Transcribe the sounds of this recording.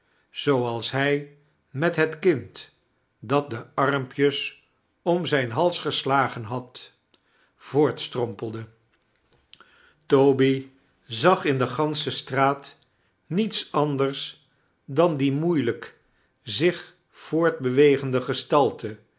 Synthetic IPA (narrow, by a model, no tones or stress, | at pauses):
z̥owɑlˠsɦɛj | mɛtɦətkɪnt | dɑt̚dəɑɹmpjəs | ɔmzɛjnɦɑlˠsχəslaːχənɦɑt | v̥ʊːɹtstrɔmpəlˠdə | towbi | zɑχɪndəχɑnsəstraːt | nitsɑndəɹs | dɑndimujlək | zɪχ | fʊːɹd̚bəʋejχəndəχəstɑlˠtə